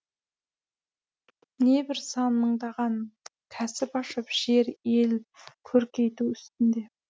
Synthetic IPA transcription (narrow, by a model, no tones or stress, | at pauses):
ne̞bɪɾsɑnməɴd̪ɑʁɑnkʲʰæsɪpɑʃəpʒ̥e̞ɾe̞lkʲʰɵɾkʲʰe̞jt̪uʏst̪ɪnd̪e̞